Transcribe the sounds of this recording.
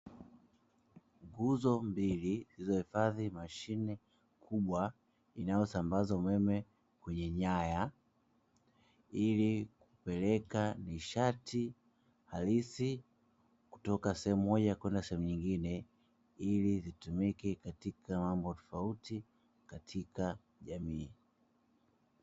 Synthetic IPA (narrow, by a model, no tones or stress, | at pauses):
ŋɡuzɔmbilizizɔhifaðimaʃinɛ | kʰuɓwa | inajɔsambazaumɛmɛ | kwɛɲɛɲaja | ilikupɛlɛkaniʃatʰi | halisi | ku̥tɔkasɛhɛmumɔʄakwɛndasɛhɛmuɲiŋɡinɛ | ilizitumikɛkatikʰamambɔtɔ̥fauti | katʰika | ʄamiː